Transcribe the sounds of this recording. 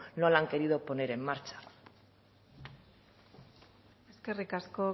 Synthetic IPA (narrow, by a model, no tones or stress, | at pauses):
nolaŋke̞ɾiðo̞po̞ne̞ɾe̞mːaɾt͡ʃḁ | e̞ske̞rikasko̞